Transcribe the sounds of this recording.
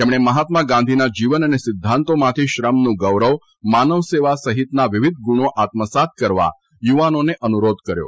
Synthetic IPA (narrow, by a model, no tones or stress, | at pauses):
t̪emɽ̃eməɦat̪maɡãnd̪ʱinad͡ʒiʋənənesɪd̪ʱːãnt̪omat̪ʰiʃɾəmnũɡəʋɾəʋ | manəʋseʋasəɦit̪naʋɪʋɪd̪̚ʱɡuɳ̃oʔat̪məsat̪̚kəɾʋa̰ | juʋanoneʔənuɾod̪ʱkəɾjo̰